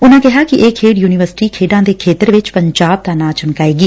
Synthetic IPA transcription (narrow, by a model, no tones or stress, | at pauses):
ʊnãːkɛɦaːkɪʔeːkʰeːɖjuːnɪʋəɾsɪ̥ʈiːkʰeːɖãːd̪eːkʰeːt̪əɾʋɪt͡ʃpəɲd͡ʒaːb̚t̪aːnãːt͡ʃənkaːeːɡiː